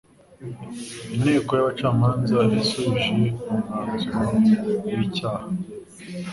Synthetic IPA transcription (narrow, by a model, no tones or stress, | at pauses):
inhe̞ːkojaβat͡ʃaːmaːnzaβisuʒeuŋatkajicaːha